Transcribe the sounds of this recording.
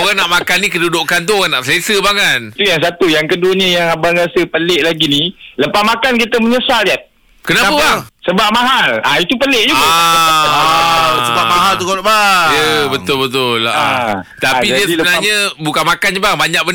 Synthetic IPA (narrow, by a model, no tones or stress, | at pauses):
oɣaŋnaʔmakanːikədudʊʔkant̪̬uoɣaŋnaʔslesəbakant̪ujaŋs̬at̪ujaŋkəduəɲə̃jaŋabaŋɾasəpəleʔlaɡiniləpahmakank̬it̪əməɲəsaljat̪̚ | kənapəbaŋsəbap̚maɦalait̪upəlɪʔ̚d͡ʒuɡaa | aasəbamaɦalt̪ukolʔbajəbət̪ʊlbət̪ʊla̰ | t̪apidiəsbənalɲəbukanmakanɲəbaŋbaɲak̚bən